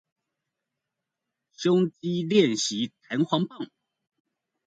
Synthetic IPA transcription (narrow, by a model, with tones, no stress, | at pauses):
ɕo˥ŋt͡ɕi˦ljɛ˥˩nɕi˨˧˥t̪ʰa˧˥nxwɑ˧˥ŋpɑ˥˨˩ŋ